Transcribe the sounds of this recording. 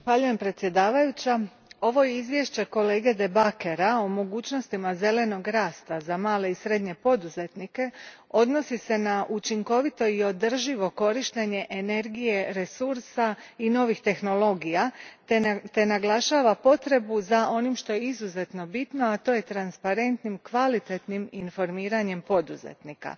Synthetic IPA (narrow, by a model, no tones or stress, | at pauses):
zaxʋaʎuje̞mpɾet̪sje̞d̪aːʋajut͡ɕa | o̞ʋo̞jeizʋje̞ʃt͡ɕe̞ko̞le̞ːɡe̞d̪e̞bake̞ɾao̞mo̞ɡuːt͡ɕno̞st̪imaze̞le̞no̞ɡɾaːst̪azamaːle̞isɾe̞d̪ɲe̞po̞d̪uze̞t̪nike̞ | o̞d̪no̞sise̞naʔut͡ʃiŋko̞ʋit̪o̞io̞d̪r̩ʒiʋo̞ko̞ɾiʃt̪e̞ɲe̞ʔene̞ɾɡije̞ɾe̞suɾsaino̞ʋixt̪e̞xno̞lo̞ɡija | t̪e̞naɡlˠaʃaːʋapo̞t̪ɾe̞buzao̞nimʃt̪o̞jeizuze̞t̪no̞bit̪no̞at̪o̞ːje̞t̪ɾanspaɾe̞nt̪nimkʋalit̪e̞t̪niminfo̞ɾmiːɾaɲe̞mpo̞d̪uzḛt̪nika̰